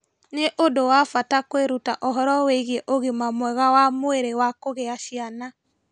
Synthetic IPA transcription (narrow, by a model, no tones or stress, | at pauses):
neʔodowafatakweɾutaʔɔɦɔɾɔweiɣieʔoɣemamwɛɣawamoeɾewakoɣeaʃiana